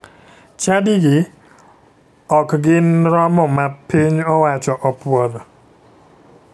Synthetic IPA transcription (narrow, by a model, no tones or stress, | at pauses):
t͡ʃadɪɡɪ | ɔkɡɪnɾɔmɔmapiɲɔwat͡ʃɔʔɔpwɔɾɔ